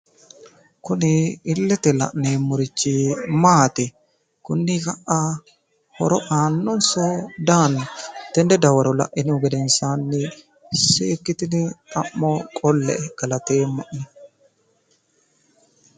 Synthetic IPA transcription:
kʊnɪːlːɛt̪ɛlɐ̰ʔneːmːʊɾɪt͡ʃːɪmaːt̪ɪ | kʊnːɪkɐʔːa | hɔ̰ɾɔʔaːnːɔnsɔd̪aːnːʊt̪ɛnd̪ɛd̪ɐwɐɾɔlɐ̰ʔɪnɪʊɡɛd̪ɛnsaːnːɪ | seːkːɪt̪ɪnɪt̪ʼɐmːoːkʼɔlːɛ̰ɡ̥ɐlɐt̪eːmːɐʔnɛ

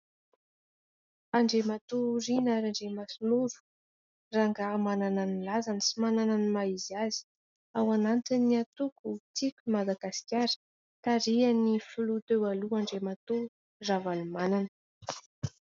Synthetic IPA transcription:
aɳɖ͡ʐemat̪uɾinaɾaɳɖ͡ʐemasuluɾu̥ | raŋɡamanananilazanəsimanananimaizazi̥ | awanant̪inːiat̪ukut͡sikʲumad̪aɡasi̥kʲjaɾə̥ | t̪aɾianifulut̪ewaluaɳɖ͡ʐemat̪u | ravalumananə̥

